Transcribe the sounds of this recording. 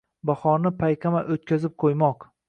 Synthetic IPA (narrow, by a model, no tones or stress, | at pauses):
bahɒnɪpʰajqʰʲamaʔot̪̚kʲazɪp̚qʰojmɒq